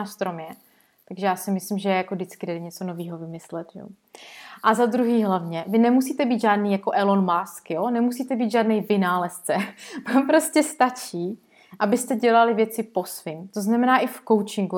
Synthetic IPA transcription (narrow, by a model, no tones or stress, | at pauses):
aːst̪ɾomjɛ | t̪aɡʒɛjaːsɪmɪslɪmʒɛjakodɪt͡skɪdɛdɛɲɛt͡sonoviːɦo̞vɪmɪslɛt̪ʒɛ̰ | ʔazad̪ɾuɦiːɦlavɲɛvɪnɛmusiːt̪ɛbiːd̪ʒaːdniːjakoʔɛlonmaːskjonɛmusiːt̪ɛbiːd̪ʒaːdnɛjvɪnaːlɛst͡sɛvampɾoscɛst̪at͡ʃiː | ʔabɪst̪ɛɟɛlalɪvjɛt͡sɪpo̞svɪmt̪oznamɛnaːʔɪfko̞wt͡ʃɪŋɡu